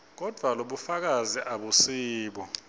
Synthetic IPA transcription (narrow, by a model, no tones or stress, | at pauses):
k̬ɔd̥ʱwaloɓufak̬aziʔaɓusiːɓɔ